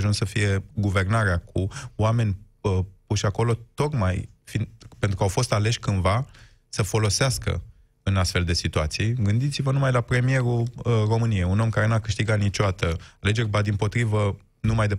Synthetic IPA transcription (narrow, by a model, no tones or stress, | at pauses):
ʒunssəfije̞ɡuve̞rnaɾeakʰuwame̞nʲ | puʃako̞lo̞t̪o̞kmajfinpent̪ɾukawfo̞st̪ale̞ʃʲkɨnva | səfo̞lo̞seaskə̰ | ɨnast̪fe̞ld̪e̞sit̪uat̪sijɡɨnd̪it̪sivənumajlapɾe̞mije̞ɾuro̞mɨniejuno̞mkaɾe̞nuakɨʃt̪iɡat̪nit͡ʃoat̪əale̞d͡ʒe̞rʲbad̪impo̞t̪ɾivə | numajd̪e